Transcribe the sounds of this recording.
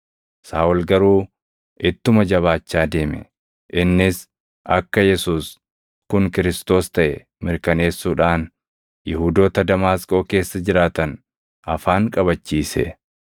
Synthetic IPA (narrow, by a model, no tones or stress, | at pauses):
saːɔlɡɐɾuː | ʔɪt̪ːʊmɐd͡ʒɐβaːt͡ʃːaːd̪e̞ːmɛ̰ | ʔɪnːɪs | ʔɐkːɐjɛsuːs | kʊŋkɪɾɪst̪o̞ːst̪ɐʔɛ | mɪɾkɐne̞ːsːuːᶑaːn | jɪhuːd̪o̞ːt̪ɐd̪ɐmaːskʼo̞ːke̞ːsːɐd͡ʒɪɾaːt̪ɐn | ʔɐfaːŋkʼɐβɐt͡ʃːiːsɛ̰